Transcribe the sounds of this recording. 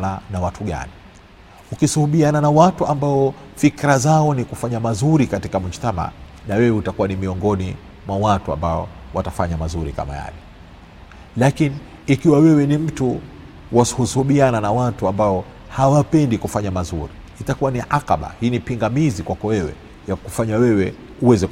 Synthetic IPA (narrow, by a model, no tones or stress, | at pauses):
nanawatuɠa̰ni | ukisuhuɓiananawatuambaɔ | fikɾazaɔnikufaɲamazuɾikatikamuʃtama̰ | nawɛwɛutakuwanimiɔŋɡɔni | mwawatua̰mbaɔ̰watafaɲamazuɾḭka̰ma̰ja̰lɛ | lakiniː | kiwawɛwɛnim̩tu | wasu̥husuhuɓiananawatuambaɔ | hawapɛndikufaɲamazuɾiːtakuwaniʕaqaɓa̰hiːnipiŋɡamizikwakɔwɛwɛ̰ | jakufaɲawɛwɛ | uwɛzɛk